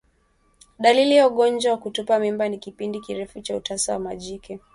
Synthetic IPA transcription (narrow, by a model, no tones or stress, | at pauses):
ɗalilijauɠɔnd͡ʒwawakutupamimbanikipindikiɾɛfut͡ʃautasawamaʄikɛ